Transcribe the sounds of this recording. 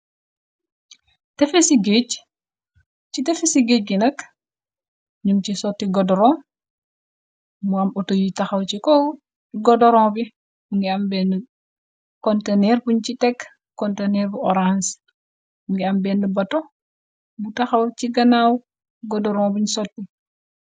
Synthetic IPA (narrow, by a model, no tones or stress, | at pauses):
tɛfesiɡec | t͡ʃitɛfesiɡec̚ɡinɐk | ɲumt͡ʃisɔtːiɡɔdɔɾɔːm | muɐmutojitɐxɐwt͡ʃikɔ | ɡɔdɔɾɔ̃ːbi | buŋɡiɐmbɛn | kɔntenɛɾbuɲt͡ʃitɛk | kːɔntenɛɾbuʔɔɾans | buŋɡiɐmbɛːndəbɐto | butɐxɐwt͡ʃiɡɐnaːw | ɡɔdɔɾɔ̃ːbuɲsɔt̚ːi